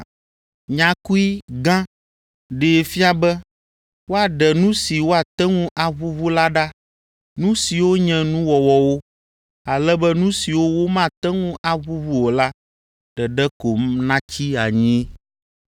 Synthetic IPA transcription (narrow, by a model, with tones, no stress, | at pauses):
ɲã˨ku˦i˦ɡã˦ | ɖe˨fi˦a˨bɛ˦ | wo˦a˨ɖɛ˨nũ˦si˨wo˦a˨t̪ɛ˦ŋũ˦ʔa˦βu˦vu˦la˦ɖa˦ | nũ˦si˨wo˦ɲɛ̃˦nũ˦wɔ˨wɔ˨wo˦ | a˨lɛ˦bɛ˦nũ˦si˨wo˦wo˦mã˦t̪ɛ˦ŋũ˦ʔa˨βu˦vu˦wo˨la˦ | ɖ̥ɛ˨ɖɛ˦ko˨mnã˦t͡ɕi˦a˨ɲĩ˦